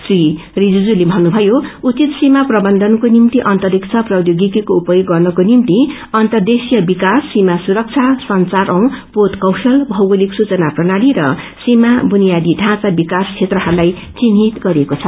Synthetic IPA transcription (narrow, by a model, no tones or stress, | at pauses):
sri | rid͡zud͡zulibʱʌnːubʱʌjout͡sit̪simaprʌbʌnd̪ʱʌnkonimt̪iʔʌnt̪ʌɾikt͡sʰʌprʌdjoɡikikoupʌjoɡːʌrnʌkonimt̪i | ʌnt̪ʌrd̪esijʌbikasːimasuɾʌk̚t͡sʰasʌnt͡saɾʔʌ̃w̃pot̪kʌwsʌlbʱʌwɡoliksut͡sʌnaprʌnaɽiɾʌ | simabunijad̪iɖʱãt͡sabikast͡sʰet̪rʌɦaɾlaj | t͡sinɦit̪ɡʌɾekot͡sʰʌ